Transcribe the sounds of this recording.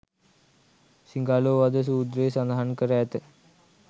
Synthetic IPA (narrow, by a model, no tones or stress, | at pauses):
siŋɡaːloːʋad̪əs̬uːd̪ɾəesand̪aɦankəɾæːt̪ə